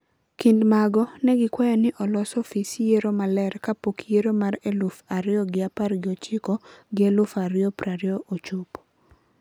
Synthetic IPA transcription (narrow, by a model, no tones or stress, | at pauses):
kindmaɡɔnɛɡɪkwajɔnɪʔɔlɔsɔfisjeɾomalɛɾkapokjeɾomaɾelʊfaɾɪɔɡɪapaɾɡɪot͡ʃɪkɔɡɪelʊfaɾjɔpɾaɾɪoʔot͡ʃup